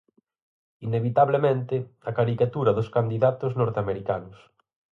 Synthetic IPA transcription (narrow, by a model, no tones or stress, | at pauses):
ineβ̞it̪aβlemẽnt̪ɪakaɾikat̪uɾɐðʊskand̪iðat̪ʊznɔɾt̪eameɾika̰nʊs